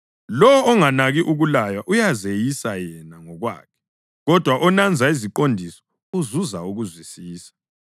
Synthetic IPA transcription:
lɔwɔːŋanaɣiʔuɣulajaʔujazejisajɛnaŋɔɣwa̰ːkʰɛ̥ | ɣɔd̥ʱwaʔɔnand͡zʱaiziǃondʱisɔ̥ | uzuzauɣuzwisiːsḁ

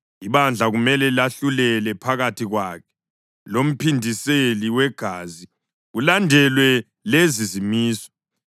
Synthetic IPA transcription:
iβand͡ɮʱaɣumɛlɛlaɬulɛlɛpʰaɣatʰiɣwakʰɛ̥ | lom̩pʰindʱiseliwɛɡ̥ʱaːzi | ɣulandʱɛlwɛ | lezizimiːsɔ̥

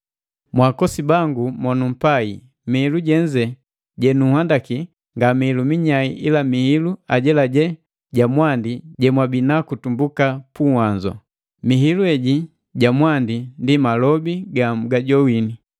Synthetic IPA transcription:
mwakɔsibaŋɡumɔnum̩paḭ | mihiluɟɛɲd͡ʒɛ | ɟɛnuhwandaki | ŋɡamihilumiɲaiʔilamihiluaɟɛlaɟɛ | ɟamwandiɟɛmwabinakutumbukapuhaɲd͡ʒɔ̰ | miɦiluɛɟi | ɟamwandindimalɔbiɡam̩ɡaɟɔwini

